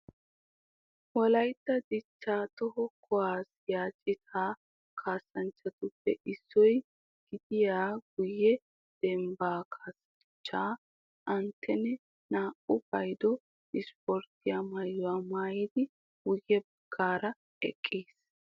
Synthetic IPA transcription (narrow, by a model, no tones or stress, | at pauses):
wɔlɐjt̪ːɐd̪ɪt͡ʃːaːt̪ɔɦɔkʰɔwaːsjaːt͡ʃʼɪt̪ʰaː | kʰaːsːɐnt͡ʃːɐt̪ʊpːɛ̰ʔɪsːɔj | ɡ̥ɪd̪ɪjaːɡ̥ʊjːɛ | d̪̥ɛmbaːkʰaːsɐ | t͡ʃːaː | ʔɐnt̪ʰːɛnɛ | naːʔʊbɐjd̪ɔ | ɪspɔɾt̪ɪjamɐjːʊaːmaːjɪd̪ɪ | wʊjːɛbɐɡːaːɾɐ | ɛ̰kʼːiːs